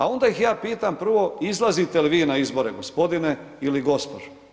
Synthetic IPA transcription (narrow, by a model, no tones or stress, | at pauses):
a̰o̞nd̪aixjaːpiːt̪ampr̩ʋo̞izlˠazit̪eliʋiːnaizbo̞ɾeɡospo̞d̪ine | iliɡo̞spod͡ʒe